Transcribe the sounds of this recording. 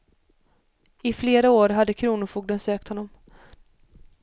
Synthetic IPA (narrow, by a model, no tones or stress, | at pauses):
ɪfleːɾaoːɾɦad̪ːəkʰɾuːnʊfuːɡ̚d̪ənsøːk̚t̪hɔnːɔm